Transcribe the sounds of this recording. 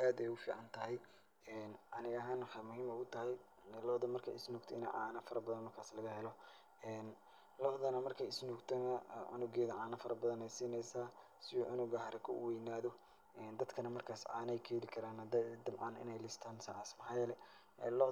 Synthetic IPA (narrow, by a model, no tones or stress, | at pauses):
ʔaːd̪ɛjʊfḭːʕɑnt̪ʰɐɦɛj | ɛːnʕɑnɪɣɐɦaːnwħɑmʊɦiːmɛʊt̪ʰɐɦɛj | ɛlɔħd̪ɐmɐrkʰɐ̰ɪ̰snɔːɡt̪ʰɔɪnɛ̰ʕɑːnɐfɐɾɐbɐðɐnmɐrkʰaːslɐɣɐhɛlɔ | ɛːn | lɔħðɐnɐmɐrkʰɐɪsnɔːɡt̪ʰnɐʕʊ̰nʊɡɛːðɐʕɑːnɐfɐɾɐbɐðɐnɛjsiːnɛjsaː | sɪjɔʕʊnʊɣɐhɐɾɐkʰʊ̰wɛjnaːðɔ | ʔɛːnd̪ɐd̪kʰɐnɐmɐrkʰaːsʕɑ̰ːnɛjkʰɛːlɪkʰɐɾaːnɐd̪d̪ɐmʕɑːnɪ̰nɛjlɪst̪ʰaːnsɐʕaːsmɐħɑjlɛ | ɛːlɔ